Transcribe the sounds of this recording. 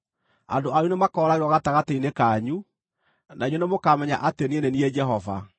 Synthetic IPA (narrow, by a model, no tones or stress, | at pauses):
a̰doaɾunemakɔːɾaɣeɾwɔɣataɣateinekaɲu | naiɲonemokamɛɲaʔatenienenied͡ʒɛɦɔva̰